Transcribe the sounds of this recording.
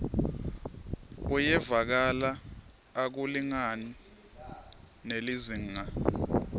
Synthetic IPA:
ujɛvak̬alaː | k̬uliŋani | neliziŋa

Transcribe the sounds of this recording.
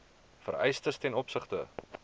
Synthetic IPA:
fə̰ɾɛ̰jstəstɛnɔpsəχtə̰

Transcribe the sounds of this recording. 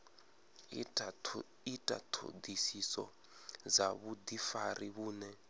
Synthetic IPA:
itʼa̰tʰṵd̪isisɔ̰ | d͡zaβud̪ifariβuːnɛ

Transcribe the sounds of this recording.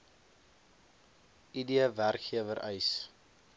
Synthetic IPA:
idiəværkχiəvəɾʔɛ̰js

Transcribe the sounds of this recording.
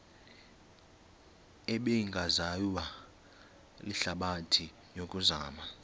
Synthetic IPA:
ɛɓeŋɡʱazajwa | liɬaɓatʰi | jokʼuzaːma

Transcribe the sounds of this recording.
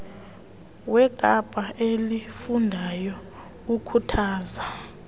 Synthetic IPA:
wɛɡ̥ʼʱab̥ʼʱaʔelifundʱajɔ | ukʰutʰaːza

